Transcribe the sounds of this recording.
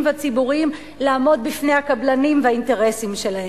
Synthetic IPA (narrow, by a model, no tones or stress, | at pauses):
mveat͡sibuʁim | laːmo̞d̪̚bifne̞jhakablanimveainte̞ʁe̞simʃe̞lahe